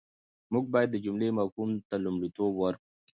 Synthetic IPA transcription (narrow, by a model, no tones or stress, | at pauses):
muɡ̚bɑjad̪ːəd͡ʒʊmlemakumt̪alumɽit̪obwəɾku